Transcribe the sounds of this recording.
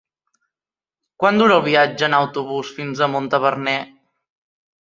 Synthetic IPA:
kwand̪uɾəːlˠβiad͡ʒəːnəwt̪uβusfinzəmont̪əβərnɛ

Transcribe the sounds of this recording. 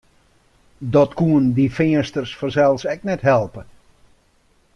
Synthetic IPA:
dɔtkuəndifɪəstərsfɔnsɛlˠsɛknɛtɦɛlˠpə

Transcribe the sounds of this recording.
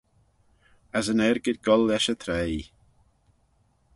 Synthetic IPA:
əsənɛɾɡɪdɡɔlɛʃət̪ʰɾej

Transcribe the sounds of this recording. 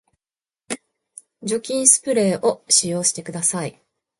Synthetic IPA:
d͡ʑo̞kʲĩɰ̃sɨ̥pɯ̟ɾe̞ːʔo̞ɕijo̞ːɕi̥t̪e̞kɯ̟d̪asai

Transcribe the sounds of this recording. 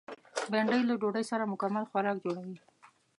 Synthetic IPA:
beɳɖəjlaɖoɖəjsaɾamʊkamalxwaɾɑkd͡ʒoɽawi

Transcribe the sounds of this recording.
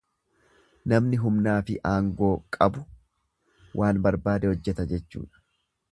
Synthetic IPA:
nɐmnɪɦʊmnaːfɪ̰ʔaːŋɡo̞ːkʼɐbʊ | wʔaːnbɐɾbaːd̪ɛhɔd͡ʒːɛt̪ɐd͡ʒɛt͡ʃːṵːᶑɐ̥

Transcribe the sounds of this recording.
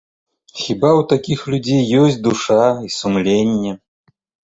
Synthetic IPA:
xʲibawt̪akʲixlʲud͡zʲejːɔsʲt͡sʲd̪uʂaisumlʲenʲːɛ

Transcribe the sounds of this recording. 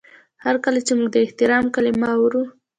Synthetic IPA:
haɾkalat͡ʃemuɡ̚d̪əɪht̪ɪɾɑmkalimaawɾu

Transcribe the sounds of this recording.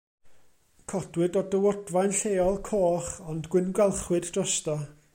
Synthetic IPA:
kʰɔdwɨdɔdəwɔdvajnɬeːɔlˠkʰoːχɔndɡwɪnɡwɛlˠχwɨddrɔstɔ

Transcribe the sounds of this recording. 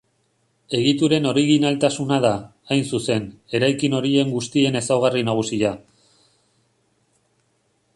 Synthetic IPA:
e̞ɣ̞it̪uɾe̞no̞ɾiɣ̞inalt̪asunað̞aː | jnsuse̞ne̞ɾajkino̞ɾie̞ŋɡust̪ie̞ne̞sawɣ̞arinaɣ̞usia

